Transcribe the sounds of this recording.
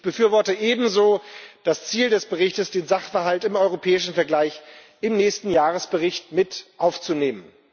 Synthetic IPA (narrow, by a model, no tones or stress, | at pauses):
ʔɪçb̥əfyːɐvɔɐtəʔeːbm̩zoːd̥ast͡siːldɛsb̥əʁɪçtəsd̥eːnzaχfɛɐɦaltɪmɔʏʁopʰɛːɪʃn̩fɛɐɡlaɪç | ʔɪmnɛːçstn̩jaːʁ̞əsb̥əʁɪçtmɪtʔaʊft͡suneːmən